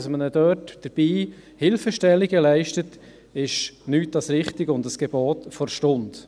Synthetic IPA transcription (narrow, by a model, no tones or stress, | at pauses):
smənədœːtd̥əɾb̥iː | hɪlfəʃtɛlːiɡəlɛɪʃtət | ɪʃnyːt̚d̥ɑsɾɪχtɪɡʊndəsɡ̥eboːtfɔɾʃtʊnd